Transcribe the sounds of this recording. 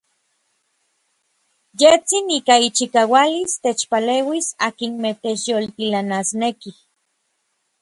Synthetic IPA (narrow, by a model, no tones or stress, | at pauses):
jet͡siniːkait͡ʃikaːwalist̪et͡ʃpaleːwisaːkinmet̪et͡ʃjolt̪ilanasnekih